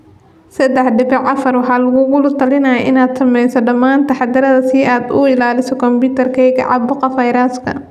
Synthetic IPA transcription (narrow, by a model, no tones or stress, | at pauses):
sɐd̪ɛħɖɪbɪʕɐfɐrwɑħɑːlɐɣʊɣʊlʊt̪ʰɐlɪnɐjɐʔɪnaːd̪sɐmɛjsɔɖɐmːaːnt̪ʰɐħɑd̪ɐɾɐðɐsɪaːd̪ʊɪlaːlɪsɔkʰɔmpuːt̪ʰɐrkʰɛjɣɐ̰ʕɑ̰bʊqɐfɐjɾaskʰɐ̰